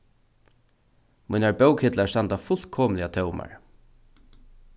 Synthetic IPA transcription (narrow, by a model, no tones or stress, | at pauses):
mujnaɹbœwkhɪt̪laɹst̪ant̪afʊl̥t̪kʰɔːmlɪat̪ʰœwma̰ɹ